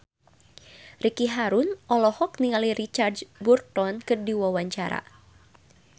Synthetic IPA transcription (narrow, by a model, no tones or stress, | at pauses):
rikiɦaɾunʔɔlɔhɔk̚niŋaliɾit͡ʃardd͡ʒburt̪ɔnkɨrdiwawaɲt͡ʃaɾa̰